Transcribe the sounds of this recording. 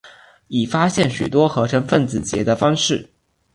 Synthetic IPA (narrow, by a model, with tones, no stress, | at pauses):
i˨˩fa˥ɕjɛ˥˩nɕy̰˨˩t̪wɔ˥xɤ˧˥ʈ͡ʂʰɤ˧˥ŋfə˥˩nt͡sɹ̩˨˩t͡ɕjɛ̰˧˥d̪ə˧fɑ˥ŋʂɻ̩˥˩